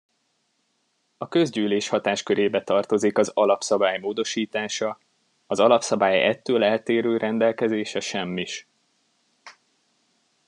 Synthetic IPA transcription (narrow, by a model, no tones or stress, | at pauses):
ɒkø̞zɟyːleːʃhɒt̪aːʃkø̞ɾeːbɛt̪ɒrt̪o̞zikɒzɒlɒpsɒbaːjmoːd̪o̞ʃiːt̪aːʃɒ | ɒzɒlɒpsɒbaːjɛ̰t̪ːøːlɛlt̪eːɾøːɾɛnd̪ɛlkɛzeːʃɛʃɛmːiʃ